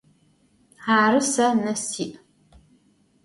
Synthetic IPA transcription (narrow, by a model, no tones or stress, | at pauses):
aːrɨsɐnɐsiːʔ